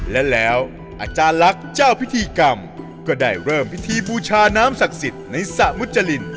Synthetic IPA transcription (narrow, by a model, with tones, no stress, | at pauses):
lɛ˦˥lɛː˦˥w | ʔa̰ː˧˩t͡ɕaː˧nla˦˥k̚t͡ɕaː˥˩wpʰi˦˥t̪ʰiː˧ka˧m | kɔː˥˩daː˥˩jɾɤː˥˩mpi˦˥t̪ʰiː˧buː˧t͡ɕʰaː˧naː˦˥msa˨˩k̚si˨˩t̪̚na˧jsa˨˩mu˦˥t̪̚t͡ɕa˧li˧n